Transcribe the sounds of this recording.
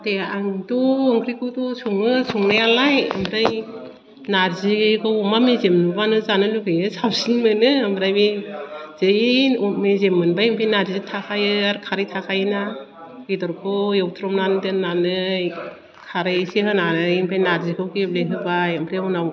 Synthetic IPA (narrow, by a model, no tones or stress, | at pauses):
ateaŋtuɯŋɡɾikʰɯtusuŋɯsuŋnajalajɯ̰mbɾaj | naɾzikʰɯwɔmamezemnubanɯzanɯlukɯjɯsawsinmɯnɯːmbɾajmiz̥ɯjimezemːɯnbajimpʰejnaɾzitʰakʰajɯaɾkʰaɾijtʰakʰajɯna | ɡidɔɾkʰɯjɔwtʰɾɔmnandɯnnːanɯ | kʰaɾɯjsiɦɯnanɯjimpʰɾajnaɾzikʰɯwkip̚leɦɯbajɯmbɾajɔnaw